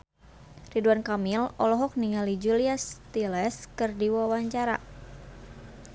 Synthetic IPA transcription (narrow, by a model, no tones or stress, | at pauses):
riduankamilɔlɔɦɔk̚niŋalid͡ʒuliast̪ilɛskɨrdiwawaɲt͡ʃaɾa̰